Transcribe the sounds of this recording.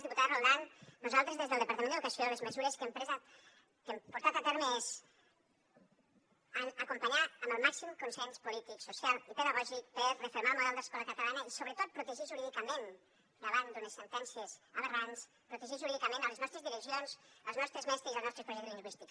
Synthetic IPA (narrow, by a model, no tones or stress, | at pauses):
zðiput̪aðrold̪annuzalˠt̪ɾezðezðəlˠd̪əpɾt̪əmẽnd̪ðukəsioləzməzuɾəskəmpezə | kəmpuɾt̪at̪ət̪ɛɾməɛz | əəkumpəɲaəmbəlˠmaksimkunsɛnspulit̪iksusialˠit̪əðəɣɔʒik̚pəɾrəfeɾmalˠmuðɛlˠd̪əskɔləkət̪əlanəisoβɾət̪ot̪̚pɾut̪əʒiʒuɾiðikəmen | d̪əβand̪unəsːənt̪ɛnsiəzəβərans | pɾut̪əʒiʒuɾiðikəmẽnələznɔst̪ɾəzðiɾəkzionsəlˠznɔst̪ɾəzmɛst̪izəlˠnɔst̪ɾespɾuʒɛkzliŋɡwist̪ik